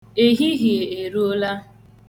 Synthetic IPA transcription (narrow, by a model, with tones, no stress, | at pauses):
e˦ɦi˦ɦi˨e˨e˨ɾu˦o˦la˦